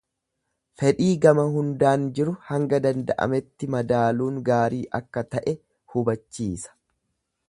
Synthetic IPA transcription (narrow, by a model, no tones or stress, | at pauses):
fɛᶑiːɡɐmɐhʊnd̪aːnd͡ʒɪɾʊhɐŋɡɐd̪ɐnd̪ɐʔɐ̰mɛt̪ːɪmɐd̪aːluːŋɡaːɾiːʔɐkːɐt̪ɐʔɛ | hʊbɐt͡ʃːiːsɐ̥